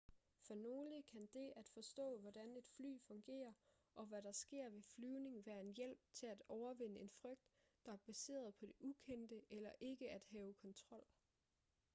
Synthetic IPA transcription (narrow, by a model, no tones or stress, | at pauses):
fɒ̽no̝ːləkʰænd̥e̝æd̥fɒ̽sd̥ɔ̰̽ːʋɒd̥æne̝d̥fly̰ːfɔ̽ŋɡ̥e̝̰ːɐ | ʔɒ̽ʋæɾɑ̈sɡ̥e̝ɐ̰ʋe̝flyːʊne̝ŋʋæːɐe̝njel̰b̥̚t͡sʰe̝læd̥ɒʊɐʋe̝n̰əe̝nfʁœɡ̥̚d̥ː | ɑ̈æɐb̥æse̝̰ːɐð̞ˠpʰɒ̽d̥e̝ʔukʰen̰d̥əʔelɐʔe̝ɡ̥əæd̥ɦɛːʊkʰɒ̽nt͡sʰʁɒ̽l̰